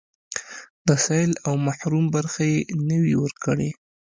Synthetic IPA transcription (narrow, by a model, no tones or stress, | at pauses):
d̪əsaɪlawmaħɾumbaɾxajenəwiwəɾkəɽe